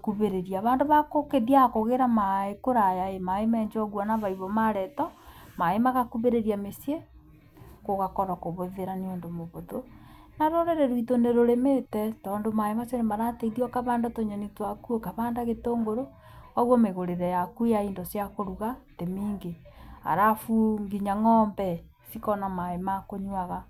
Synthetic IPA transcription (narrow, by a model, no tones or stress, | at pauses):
kuβeɾeɾiaβaːndoβakokeðiakoɣeɾamaekoɾajaemaemɛɲd͡ʒoɣwanaβaiβomaɾɛtɔ | maemaɣakuβeɾeɾiamesje | koɣakoɾɔkoβoðeɾaniondomoβoðo | naɾoɾeɾeɾwitoneɾoɾemetɛtɔːndomaemasjonemaɾateiðiɔkaβaːndotoɲanitwakuokaβaːndaɣetoːŋɡoɾo | ɔɣwɔmeɣoɾeɾɛjakujaindosjakoɾuɣatemiːŋɡea̰ɾafuŋɡiɲaŋɔːmbɛ | sikɔnamaemakoɲwaɣa